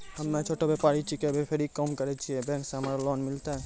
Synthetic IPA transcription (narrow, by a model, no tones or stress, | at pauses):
həmːet͡ʃʰoʈobepaɾit͡ʃikebepʰeɾikəmkəɾɛt͡ʃʰiɛbɛ̃ŋkseɦəmaɾlɔnmilt̪aɦɛ